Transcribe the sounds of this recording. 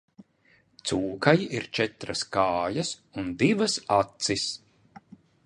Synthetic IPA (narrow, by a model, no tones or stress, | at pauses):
t̪suːkajiɾt͡ʃɛt̪ɾɐskaːjɐs | und̪ivɐsat̪sis